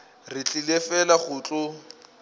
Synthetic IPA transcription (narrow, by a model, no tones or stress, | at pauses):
rɪt͡ɬʼilefɛlaχʊːt͡ɬʼʊ